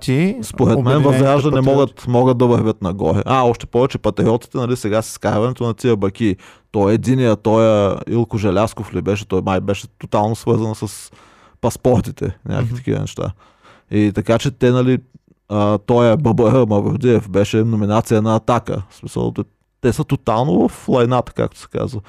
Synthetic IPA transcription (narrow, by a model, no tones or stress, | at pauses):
t̪ispoɾɛtmɛnvɐzɾaʒd̪ɐnɛmɔɡət̪mɔɡət̪̚d̪ɐvɐɾvʲət̪nɐɡɔ̰ɾɛ̰ʔaɔʃt̪ɛ̥pɔvɛt͡ʃɛpɐt̪ɾiɔt̪i̥t̪ɛnɐlisɛɡasi̥skaɾvɐnɛt̪onɐt̪iəbɐk̟it̪ɔjɛd̪inijət̪ɔjəḭlˠkoʒɛlʲaskoflibɛʃ̬ɛt̪ɔjmajbɛʃɛ̥t̪ot̪alˠnosvɤɾzɐnsəs | pɐspɔɾt̪it̪ɛ̰nʲʔa̰kitt̪ɐ̥k̟ʲḭvə̰nɛ̰ʃt̪a̰ | it̪ɐkat͡ʃɛt̪ɛnɐli | ət̪ɔjəbəbəɾəmɐvoɾd̪iɛfbɛʃɛnominat̪sijɐnɐːt̪akə̰smisə̰l̰ˠ | t̪ɛsət̪ot̪alˠnovɐflˠɐjnat̪ə̥ka̰k̚t̪o̥ʊ̥sɛ̥ka̰zvə